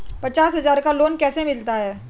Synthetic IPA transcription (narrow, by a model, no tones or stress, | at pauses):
pɐt͡ʃaːsɦɐzaːɾkaloːnkɛːsemɪlt̪aɦɛː